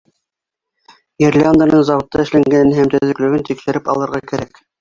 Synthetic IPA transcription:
jeɾlʲand̪anɤɴzɑβwŏt̪ːɑɘ̆ʃlæŋɡænɦæmt̪ɵ̆ðɘ̆klɵ̆ɡɘnt̪ikʃɘ̆ɾɘpɑ̰lˠɤ̆ɾʁɑkæ̆ɾæk

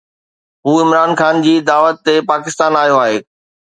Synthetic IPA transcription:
ɦuːɪmɾaːnxaːnd͡ʑiːd̪aːʋət̪ːepaːkɪst̪aːnaːɦijoaːɦeː

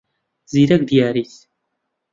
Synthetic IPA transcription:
ziɾæɡd̪jæɾiθ

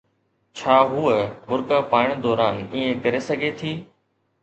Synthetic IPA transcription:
t͡ɕʰaːɦuːəbʊɾkaːpaːɪɽ̃d̪ɔːɾaːniːẽkɐɾesɐɡʱet̪ʰiː

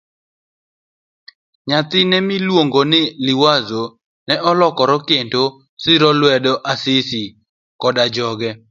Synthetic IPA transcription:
ɲat̪ɪnɛmilwoŋɡonɪlɪwazo | nɛʔɔlɔkɔɾɔkendo | sɪɾɔlwɛdɔʔasɪsi | kɔdad͡ʒɔɡɛ

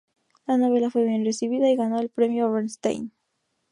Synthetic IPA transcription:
lano̞βe̞lafwe̞β̞je̞nre̞siβiðaiɣano̞elpɾe̞mjoβenst̪ḛjn

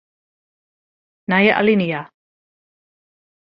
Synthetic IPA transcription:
najaʔa̰linija

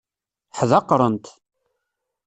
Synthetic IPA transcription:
ħðɑqːɾˤənt̪

